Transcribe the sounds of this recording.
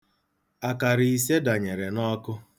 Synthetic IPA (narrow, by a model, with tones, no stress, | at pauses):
a˨ka˨ɾɪ˨i˨se˦da˨ɲe˨ɾe˨nɔ˦kʊ˦